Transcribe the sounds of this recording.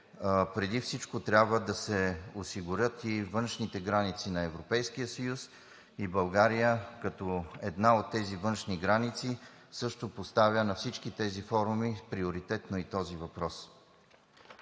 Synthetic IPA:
pɾɛd̪ifsit͡ʃkot̪ɾʲabvəd̪ɐsɛosiɡʊɾʲɤt̪ivɤnʃnit̪ɛɡɾanit̪sinɐɛvɾopɛjskijəsɐjus | ibɐlˠɡaɾijəkɐt̪ɔɛd̪naot̪ːɛzivɤnʃniɡɾanit̪si | sɤʃt̪opost̪avʲjənɐfsit͡ʃkit̪ɛzifɔɾumipɾioɾit̪ɛt̪noit̪ɔzivɐpɾɔs

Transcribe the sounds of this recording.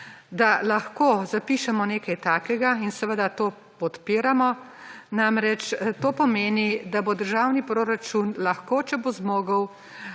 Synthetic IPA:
d̪alaxkoːzapiːʃɛmɔneːkajt̪aːkɛɡainsɛʋəd̪at̪oː | pɔt̪piːɾamɔnamɾɛt͡ʃt̪oːpɔmeːnid̪abod̪əɾʒaːwnipɾoːɾat͡ʃunlaxkoːt͡ʃɛbozmoːɡəw

